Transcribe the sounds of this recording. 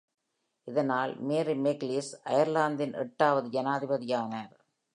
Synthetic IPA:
ɪðɐnaːlmeːɾimekliːsɐjɐɾlaːnd̪ɪnʔɛ̰ʈːaːʋɐðɯd͡ʒɐnaːðɪbɐðɪjaːnɐɾ

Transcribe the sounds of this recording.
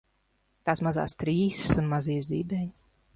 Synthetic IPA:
t̪aːsmaza̰ːst̪ɾiːsɨ̥sunmaziːzibɛɲ

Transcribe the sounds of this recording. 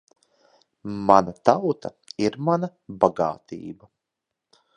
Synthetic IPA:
manat̪awt̪ʰɐ̰ | iɾmanabaɡa̰ːt̪ʰḭːbɐ

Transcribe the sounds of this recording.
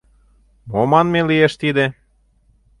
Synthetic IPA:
momɑnmelieʃt̪id̪e

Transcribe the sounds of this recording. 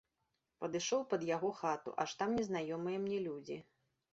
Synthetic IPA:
pɐd̪ɨʂɔwpɐd̪jaɣɔxat̪ṵʔa̰ʂt̪amnʲɛzn̪ajɔmɨjɐmnʲɛlʲud͡zʲi

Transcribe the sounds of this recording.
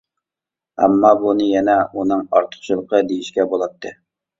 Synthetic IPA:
ɛ̰mːɑbunɨjɛnɛunɨŋɑɾt̪ʰə̥χʃilˠəqʰəd̪ejiʃkʲɛbolˠɑt̪ʰːɨ

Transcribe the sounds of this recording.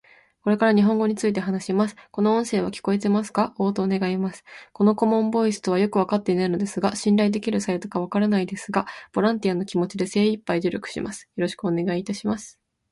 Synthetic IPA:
ko̞ɾe̞kaɾaɲ̟iɦõ̞ŋɡo̞ɲ̟it͡sɨit̪̬e̞ɦanaɕimasɨ̥ko̞noõ̞ɰ̃se̞ːβ̞akʲi̥ko̞e̞t̪̬e̞masɨ̥kao̞ːt̪o̞ːne̞ɡaimasɨ̥ko̞no̞ko̞mõ̞mbo̞isɨ̥t̪o̞βajo̞kɯ̟β̞akat̪ːe̞inaino̞d̪e̞sɨɡaɕĩnɾaid̪e̞kʲiɾɯ̟said̪o̞kaβ̞akaɾanaid̪e̞sɨɡab̥o̞ɾãnt̪iano̞kʲimo̞t͡ɕid̪e̞se̞ːipːaiʑɨɾʲo̞kɯ̟̥ɕḭmʔasɨ̥jo̞ɾo̞ɕi̥kɯ̟one̞ɡaiːt̪aɕimasɨ̥

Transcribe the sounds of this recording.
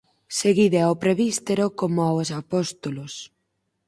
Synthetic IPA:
seɣiðeawpɾeβist̪eɾokomoawsapɔst̪olos

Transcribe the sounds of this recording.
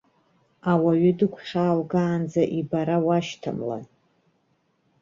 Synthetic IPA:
awaɥʏdɨkʷʰχʲaːlɡaːnd͡zaʔibaɾawaʃtʰa̰mla̰n

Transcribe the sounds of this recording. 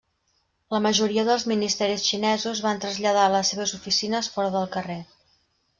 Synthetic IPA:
ləməʒuɾiəðəlˠzminist̪ɛɾisʃinɛzuzβant̪ɾəzʎəðaələsːeβ̞əzufisinəsfɔɾəðəlˠkəre

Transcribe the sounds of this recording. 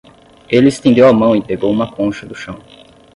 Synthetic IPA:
elɪest̪ẽnd̪ewɐmɐ̃w̃ipeɡowũmɐkõʃɐd̪ʊʃɐ̃w̃

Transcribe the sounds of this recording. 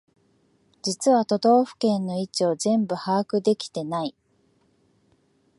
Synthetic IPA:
d͡ʑit͡sɨβat̪o̞d̪o̞ːɸɯ̟̥kẽ̞nːo̞it͡ɕio̞zẽ̞mbɯ̟haːkɯ̟d̪e̞kʲi̥t̪e̞nai

